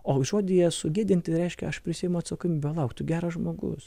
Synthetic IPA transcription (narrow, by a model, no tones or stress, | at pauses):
oːʒoːd̪ʲɪjɛsʊɡʲiːd̪ʲɪnʲt̪ʲɪɾʲɛɪʃʲkʲɛ̰ɐʃpʲɾʲɪsʲiːjɛmʊɐt̪sɐkoːmʲbʲɛlˠɐʊkt̪ʊɡʲæːɾɐsʒmoːɡʊ̰s